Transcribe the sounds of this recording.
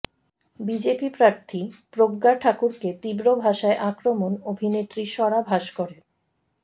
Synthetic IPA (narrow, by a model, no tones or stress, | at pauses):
bid͡ʑepipɾaɾt̪ʰipɾoɡːaʈʰakuɾket̪ibɾobʱaʃaeʔakɾomonobʱinet̪ːɾiʃɔɽabʱaʃkoɾe